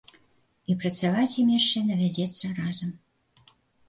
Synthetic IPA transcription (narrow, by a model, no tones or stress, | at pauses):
ipɾɐt̪t͡ssavat͡sʲjimɛʃt͡ʃːɛnɐvʲæd͡zʲɛt̪sːərazəm